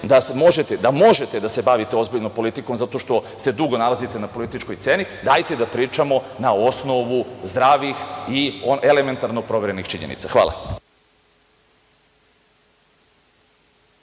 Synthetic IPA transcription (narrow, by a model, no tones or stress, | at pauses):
d̪asmo̞ʒe̞t̪ed̪amo̞ʒet̪e̞d̪ase̞baʋit̪eo̞zbiʎno̞mpo̞lit̪ikomzat̪o̞ʃt̪o̞st̪e̞d̪uɡo̞nalˠazit̪e̞napo̞lit̪it͡ʃko̞jsse̞ːnid̪aːjt̪ed̪apɾiːt͡ʃamo̞naosno̞ʋuzd̪ɾaːʋixioe̞le̞me̞nt̪aɾno̞pɾo̞ʋe̞ɾe̞nixt͡ʃiɲenḭt̪saxʋa̰ːlˠa̰